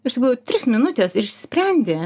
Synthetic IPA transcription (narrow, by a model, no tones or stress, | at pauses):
ɪʃt̪ʲɪkɾoːjot̪ʲɾʲɪsmʲɪnʊt̪ʲɛːsɪʃsʲɪ̥sʲpʲɾʲɛnʲd̪ʲeː